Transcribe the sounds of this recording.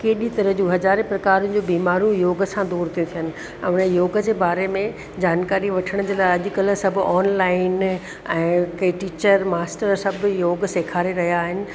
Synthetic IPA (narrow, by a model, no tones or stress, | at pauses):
keːɗit̪ɐɾəɦd͡ʑuːɦɐzaːɾepɾɐkaːɾʊnɪ̆d͡ʑoːbiːmaːɾũjoːɡə̆sãd̪uːɾt̪ʰijũt̪ʰijənɪ̆ | ɛ̃ʊnəjoːɡəd͡ʑeːbaːɾemẽ | d͡ʑaːnkaːɾiʋɐʈʰəɽ̃d͡ʑeːlaːɪɐʄʊkɐl̤ə̆sɐbʱʊɔːnlaːɪn | ɛ̃ːkɐʈiːt͡ɕəɾmaːsʈəɾsɐbʱjoːɡseːkʰaːɾeɾɐɦijaːɦɪnɪ̆